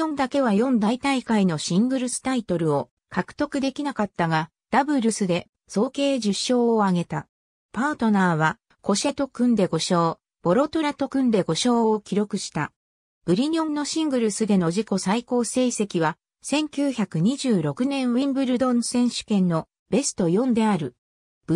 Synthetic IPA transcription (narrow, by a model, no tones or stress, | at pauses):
õnd̪ake̞β̞ajõ̞nd̪ait̪aikaino̞ɕĩŋɡɯ̟ɾɯ̟sɨ̥t̪ait̪o̞ɾɯ̟o̞ | kʰakɯ̟̥t̪o̞kɯ̟d̪e̞kʲinakat̪ːaɡa | d̪̥abɯ̟ɾɯsɨd̪e̞ | so̞ːke̞ːʑɨɕːo̞ːaɡe̞t̪a | paːt̪o̞naːβ̞a | ko̞ɕe̞t̪o̞kɯ̟̃nd̪e̞ɡo̞ɕo̞ː | b̥o̞ɾo̞t̪o̞ɾat̪o̞kɯ̟̃nd̪e̞ɡo̞ɕo̞ːokʲiɾo̞kɯ̟ɕi̥t̪a | b̥ɯ̟ɾʲiɲʲõnnːo̞ɕĩŋɡɯ̟ɾɯ̟sɨd̪e̞no̞ʑiko̞saiko̞ːse̞ːse̞kʲiβa | sẽ̞ŋkʲɨːçakɯ̟ɲ̟iʑɨːɾo̞kɯ̟nẽ̞ɰ̃βĩmbɯ̟ɾɯ̟d̪õ̞nsẽ̞ɰ̃ɕɨ̥kẽ̞nːo̞ | b̥e̞sɨ̥t̪o̞jõ̞nd̪e̞aɾɯ̟ | b